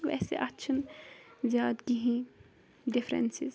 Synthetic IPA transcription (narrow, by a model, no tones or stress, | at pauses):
ʋɛ̰ːsḛʔɐtːʃʰənzjaːd̪ɡiɦĩ | ɖɪfɾḛnsɪz